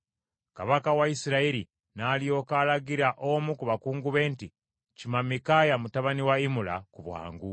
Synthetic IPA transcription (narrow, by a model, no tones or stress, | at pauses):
kaβakawaisiɾaiɾi | naːlijo̞ːkalaɡiɾaʔomukuβakuːŋɡuβe̞ːnti | cimamikajamutaβaniwaimula̰kuβwa̰ːŋɡu